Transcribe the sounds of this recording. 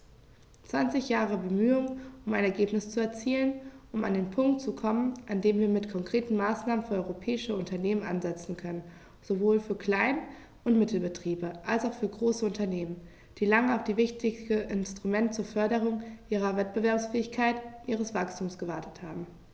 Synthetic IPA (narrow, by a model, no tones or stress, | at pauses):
t͡sv̥ant͡sɪçjaːʁ̞əbəmyːʊŋʊmaɪnɛɐɡeːpnɪst͡suɛɐt͡siːlənʔʊmandeːnpʰʊŋk̚tt͡sukʰɔmənʔandeːmviːɐmɪtkʰɔŋkʁ̥eːtn̩maːsnaːmənfyːɐɔʁopʰɛːɪʃəʊntɐneːmənʔa̰nzɛt͡sn̩kʰœnən | z̥ovoːlfyːɐkʰl̥aɪn | ʊntmɪtl̩bətʁ̥iːbəʔalsaʊxfyːɐɡʁoːsəʊntɐneːmən | d̥iːlaŋəaʊfd̥iːvɪçtʰɪəʔɪnstʁ̥umɛntt͡suːɐfœɐɾəʁ̞ʊŋʔiːʁ̞ɐvɛt̚b̥əvɛɐpsfɛːɪçkʰaɪtnʔiːʁəsv̥akstʰuːmsɡ̥əvaɐtə̥thaːbm̩